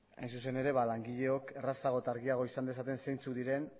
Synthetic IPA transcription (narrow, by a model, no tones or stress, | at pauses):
a̰jnsus̬e̞ne̞ɾe̞βalaŋɡiʎe̞o̞ke̞rasaɣ̞o̞t̪aɾɣiaɣ̞o̞isand̪e̞sat̪e̞nse̞jnt͡suðiɾe̞n